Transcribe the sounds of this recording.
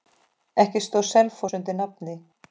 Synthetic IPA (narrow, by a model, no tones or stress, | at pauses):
ɛhcɪst̪owsɛlfɔsʏnt̪ɪnap̚nɪ